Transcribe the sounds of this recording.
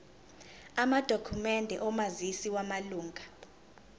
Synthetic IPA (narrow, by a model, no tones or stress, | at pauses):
amad̥ʱokʰumɛndʱɛ̰ʔɔmazisiwamaluːŋɡʱa